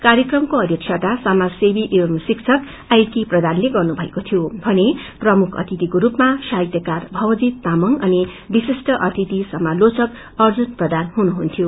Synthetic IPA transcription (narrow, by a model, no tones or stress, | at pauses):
kaɾjʌkrʌmkoʌd̪jʌkt͡ʃʰat̪asamasebiʔirmsikt͡sʰʌk | ajkiprʌd̪anleɡʌrnubʱʌekot̪ʰijobʱʌneprʌmukʰʌ̰t̪ʰit̪ikoɾupmasaɦjt̪jʌkarbʱʌwʌd͡zit̪ːamʌŋʌni | bisesʈʌʔʌt̪ʰit̪isʌmalot͡sʌk | ʌrd͡zunprʌd̪anɦunuɦunt̪ʰjo